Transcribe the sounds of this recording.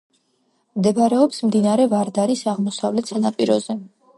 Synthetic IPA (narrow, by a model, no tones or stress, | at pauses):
md̪ɛbaɾɛɔpsmd̪inaɾɛvaɾd̪aɾisaʁmɔsavlɛt̪sʰanapʼiɾɔz̥ɛ